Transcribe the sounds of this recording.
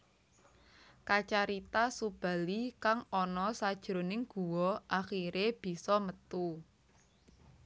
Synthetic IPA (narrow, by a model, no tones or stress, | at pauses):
kat͡ʃaɾit̪asub̥a̤likaŋɔnɔsad̥ʒ̥ɾo̤nɪŋɡ̥uwɔʔaxiɾeb̥i̤sɔmət̪u